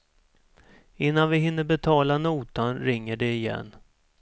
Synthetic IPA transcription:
ɪnːanvɪɦɪnːəbɛt̪ʰɑːlanuːt̪anɾɪŋːəɖɛɪjɛ̰nː

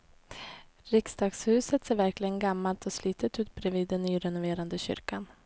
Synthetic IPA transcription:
ɾɪksd̪ɑːɡshʉ̟ːsət̪seːɾvæɾklɪɡənɡamːalt̪ʰɔsliːt̪ət̪ʉːt̪̚bɾɛviːd̪ːɛnːyːɾɛnʊveːɾand̪əɕʏ̰ɾkan

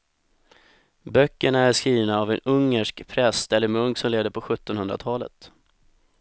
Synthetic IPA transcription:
bœkːəɳaæʂkɾiːvnaːvɛnɵŋːəʂkpʰɾɛst̪ɛlːəɾmɵŋksɔmleːd̪əɾpʰɔɧɵt̪ːɔnhɵnd̪ɾa̰t̪ʰɑːlə̰t̪

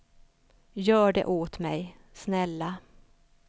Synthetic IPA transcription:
jœːɖɛ̰ʔoːt̪mɛj | snɛlːa

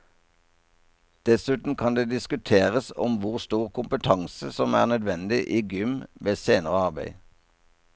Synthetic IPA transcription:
d̪̥ɛsʉːt̪n̩kʰɑnd̪eːd̪ɪskʉt̪ʰeːʁəsɔ̰mʋʊʁst̪uːʁkʰʊmpət̪ʰɑŋsəsɔmæ̰ːʁnœd̪ʋɛnd̪ɪʔiːɡʏmʋeːseːnəʁəɑʁbæ̰ɪ

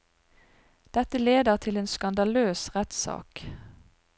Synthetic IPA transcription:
d̪̥ɛt̪əleːd̪əʁt̪ʰɪleːnskɑnd̪ɑløːsʁɛt̪sɑ̰ːk

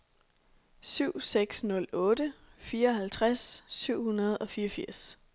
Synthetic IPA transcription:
syʊ̰seɡ̥snɔ̽lɔ̽ːdəfiːɐɒ̽ɦælt͡sʰʁasːyʊ̰hunɐð̞ˠɒ̽fiːɐfiɐ̰s

